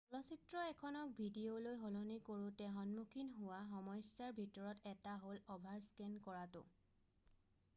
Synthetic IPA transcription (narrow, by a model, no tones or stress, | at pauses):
ɔlɔsitɹɔɛkʰɔnɔk̚bʱidiolojɦolonikoɹʊ̃tɛɦɔnmukʰinɦʊwaɦɔmɔjsjaɹbʱitɔɹɔtɛtaɦolɔbʱaɹskɛnkɔɹatʊ̰